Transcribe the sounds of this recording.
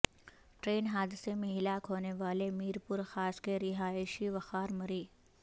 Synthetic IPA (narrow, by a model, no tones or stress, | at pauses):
ʈɾeːnɦaːd̪ɪsemẽɦɪlaːkɦoːneʋaːlemiːɾpʊɾxaːskeɾɪɦaːɪʃiʋɐxaːɾmɐɾiː